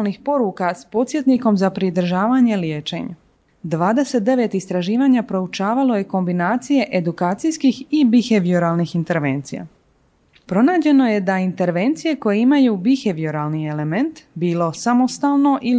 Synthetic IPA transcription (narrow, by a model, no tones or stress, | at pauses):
lnixpo̞ɾukaspo̞t̪sʲjet̪niko̞mzapɾid̪ɾ̩ʒaːʋaɲe̞ljeːt͡ʃe̞̰ɲa̰ | d̪ʋaːd̪e̞se̞t̪̚d̪e̞ʋe̞t̪ist̪ɾaʒiːʋaɲapɾo̞ut͡ʃaːʋalo̞je̞ko̞mbinaːt̪sije̞ʔe̞d̪ukaːt̪sijskixibixe̞ʋioɾalˠnixint̪e̞ɾʋeːnt̪sija̰ | pɾo̞naːd͡ʑe̞no̞je̞d̪aint̪e̞ɾʋe̞nt̪sije̞ko̞jeimajuːbixeʋioɾaːlnie̞le̞me̞nt̪biːlo̞samo̞st̪aːlˠno̞ʔi